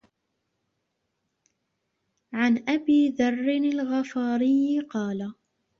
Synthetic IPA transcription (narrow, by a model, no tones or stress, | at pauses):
ʕanʔabiːðɑrˤːɪnalɣɑfɑːɾɪjqɑːla